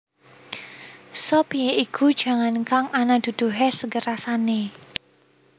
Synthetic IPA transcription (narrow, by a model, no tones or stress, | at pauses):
sopijeikʰud̥ʒ̥a̤ŋankaŋʔanad̪̥ṳd̪̥ṳɦesəɡəɾasane